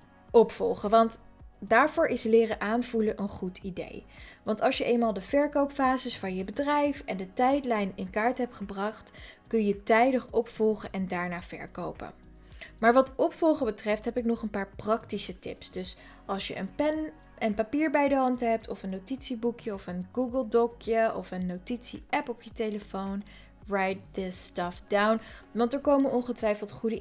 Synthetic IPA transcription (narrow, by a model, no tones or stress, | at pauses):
ɔpfɔ̰lˠχəʋɑntdaːɹvʊːɹʔɪslɪːrəʔaːnvuləʔənχutʰidḛjʋɑntɑlˠʃjəʔejnmaːlˠdəv̥ɛɹkowpfaːzəsfɑnjəbədrɛjfɛndətɛjtlɛjnɪnkaːɹtɦɛpχəbrɑχtkɵnjətɛjdəχɔpfɔlˠχəʔɛndaːɹnaːvɛ̰ɹkowpə̰ | maːɹʋɑtɔpfɔlˠχəbətrɛftɦɛpɪknɔχənpaːɹprɑktisətɪ̰psdɵs | ʔɑlˠsjə̰ʔənpɛn | ənpapiːɹbɛjdəɦɑntɦɛp̚tʰɔfənːowtitsibukjəɔfənɡuɡəlˠdɔkjəʔɔfənːowtitsḭʔɛpɔpjətejləfown | ɹajt̚dəstɑfdawnʋɑntəɹkowmənɔnχətʋɛjfəlˠtχudə